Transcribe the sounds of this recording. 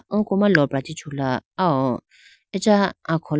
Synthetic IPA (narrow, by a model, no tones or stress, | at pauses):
ɔ̃komãlɔbɾadit͡ʃulaaɔ | ɛd͡ʒaãkʰɔl